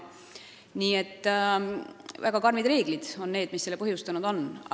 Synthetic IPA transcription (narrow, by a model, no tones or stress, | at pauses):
niːe̞t̪ː | væɡ̥ɑkɑrmid̪re̞ːɡ̥lid̪̥o̞nːe̞ːd̪misːelːepɤɦjust̪ɑnud̪̥o̞n